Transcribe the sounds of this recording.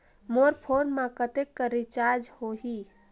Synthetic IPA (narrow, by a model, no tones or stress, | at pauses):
moɾpʰoɾnmakət̪ekːəɾit͡ʃaɾd͡ʒhoɦi